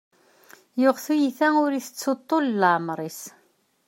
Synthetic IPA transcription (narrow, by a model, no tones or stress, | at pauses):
jʊʁθujiθæʊɾiθə̥t͡sːot̪ˤːolləʕmɾˤis